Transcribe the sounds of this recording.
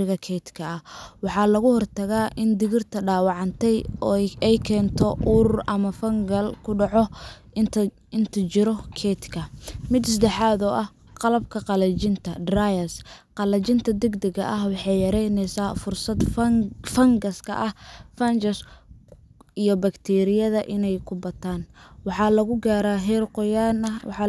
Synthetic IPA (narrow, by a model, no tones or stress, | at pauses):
ɪɣɐkʰɛt̪kʰɐɐwɑħɑːlɐɣʊhɔrt̪ʰɐɣaːʔɪnd̪ɪɣɪrt̪ʰɐɖaːwɑʕɑnt̪ʰɛjɛjkʰɛːnt̪ʰɔʔuɾʊrʔɐmɐfɐŋɡɐlkʰʊɖɑʕɔ | ɪnt̪ʰɐt͡ʃɪɾɔkʰɛt̪kʰɐmɪd̪sɐd̪ɛħaːðɔːʔɐh | qɑlɐb̚kʰɐqɑlɐt͡ʃɪnt̪ʰɐdrajɐsqɑlɐt͡ʃɪnt̪ʰɐd̪ɛɡd̪ɛɣɐ̰ʔɐɦwɑħɑjjɐɾɛjnɛsaːfʊrsɐd̪fɐŋɡɐskʰɐ̰ʔɐhfɐnd͡ʒɐs | ijɞbɐkt̪ʰɛːɾɪjɐðɐʔɪnɛjkʰʊbɐt̪ʰaːnwɑħɑlɐɣʊɡaːɾaːɦɛrqɔjaːnɐw̰ħɑ